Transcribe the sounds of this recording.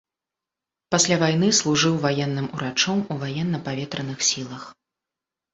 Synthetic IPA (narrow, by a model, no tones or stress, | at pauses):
pasʲlʲavajn̪ɨslˠuʐɨwvajɛnːɨmuɾat͡ʂɔmuvajɛnːɐpavʲɛt̪ɾɐnɨxsʲilˠɐx